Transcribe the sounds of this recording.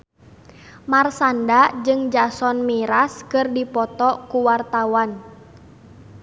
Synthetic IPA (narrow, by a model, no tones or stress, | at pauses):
marsandad͡ʒɨŋd͡ʒasɔnmiɾaskɨrdipɔt̪ɔkuwart̪awan